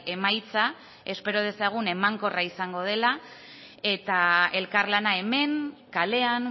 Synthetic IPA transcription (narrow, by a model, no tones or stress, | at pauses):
e̞majt͡sa | e̞spe̞ɾo̞ð̞e̞saɣ̞une̞maŋko̞raisaŋɡo̞ð̞e̞la | e̞t̪ae̞lkarlanae̞me̞ŋkale̞an